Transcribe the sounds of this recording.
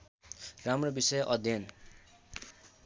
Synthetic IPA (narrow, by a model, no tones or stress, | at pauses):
ramrobisʌjʔʌd̪ʱjʌn